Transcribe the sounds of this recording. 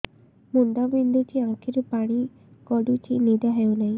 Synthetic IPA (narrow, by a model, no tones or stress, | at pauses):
mund̪abind̪ut͡ʃiãŋkʰiɾupaɽ̃i | ɡɔɖut͡ʃinid̪aɦewlaj